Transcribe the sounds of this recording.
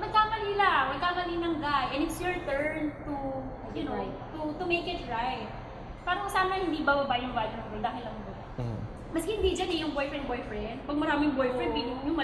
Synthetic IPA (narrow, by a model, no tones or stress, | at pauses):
mɐɡ̚kaːmɐnɪlamɐɡ̚kaːmɐlinɐŋd̪ajʔɛnɪt̪sjʊɹt̪ɛɹnt̪u | jʊnon | t̪ʊt̪ʊmejkɪt̪ɹajt̪̚ | paːɾɐsaːnɐhɪnd̪iːbɐbɐbajʊŋbaːljʊnt̪ɾɔd̪aːɦɪlːɐŋbɐba | mɐshɪnd̪iːd͡ʒanɛjʊŋbojfɹɛnd̪bojfɹɛnd̪̚pɐɡ̚mɐɾaːmɪŋbɔjfɹɛnd̪̚bid̪ʊjʊŋmɐ